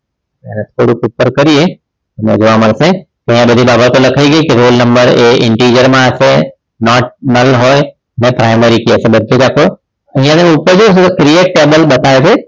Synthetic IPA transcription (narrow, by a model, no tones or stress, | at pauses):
ɛ̰nẽt̪ʰoɽũkʊpːəɾkəɾie | nḛ̃d͡ʒoʋaməɽsẽ | k̪ɐ̃ɦĩjãbəd̪ʱibaːbət̪olɐkʰaiɡəikeɾoːlnəmbəɾeɪ̰̃ɳʈid͡ʒəɾmãəse | nɔʈ̚nəɾlɦoj | nepɾaːɪməɾikiesẽbəd̪ʱd͡ʒed͡ʒakʰo | ə̃ɦɪ̃jãnẽʊpːəɾd͡ʒosekɾijeʈ̚ʈeːbəlbət̪aet͡ʃʰe